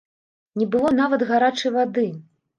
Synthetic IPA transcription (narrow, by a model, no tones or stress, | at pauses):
nʲɛbɨlˠɔnavɐd̪ɣaɾat͡ʂɨjvad̪ɨ